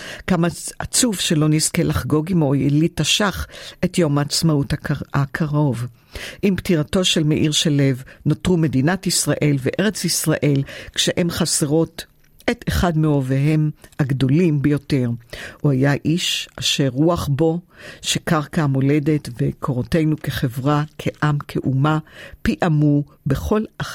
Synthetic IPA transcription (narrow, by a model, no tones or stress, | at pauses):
kamaat͡sufʃe̞lo̞niske̞lʔaχɡo̞ɡimo̞jlitaʃaχe̞tjo̞maːt͡smautakʰaʁo̞v | ʔimptiʁato̞ʃe̞lmeʔiʁʃele̞vnotʁume̞dinatisʁaʔe̞lveʔe̞ʁe̞t͡sisʁaʔe̞lkʃeʔemχaseʁo̞t | eteχadmeoveɦe̞mhaɡdo̞limbejo̞te̞ʁuajaʔiʃaʃeʁːuaχbo̞ʃekaʁkamo̞le̞de̞tvekʰoʁote̞jnukeχe̞vʁakʰe̞ʔamkʰeʔumapiʔamube̞χo̞la